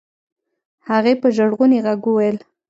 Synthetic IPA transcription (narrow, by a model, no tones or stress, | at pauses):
haɣepəʒaɽɣuneɣaɡuwajəl